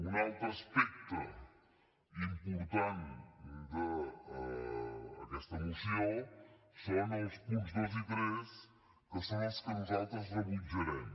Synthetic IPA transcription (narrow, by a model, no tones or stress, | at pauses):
unalˠt̪ɾəspɛk̚t̪ə | impuɾt̪and̪ə | ðɛst̪əmisio | səɾanəlˠspunzðozit̪ɾɛs | kəsaneskənzat̪ɾəzðəmid͡ʒuɾen